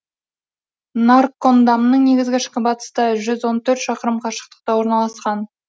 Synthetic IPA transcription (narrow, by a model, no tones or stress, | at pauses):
narkːond̪ɑmnəɴne̞ɡʲɪzɡʲɪʃkʲɪbɑt̪ə̥st̪əʒʏzwo̞nt̪ʰɵɾt̪ʃɑqəɾəmqʰɑʃə̥q̚t̪ə̥q̚t̪ɑwo̞ɾnɑlˠɑsqɑn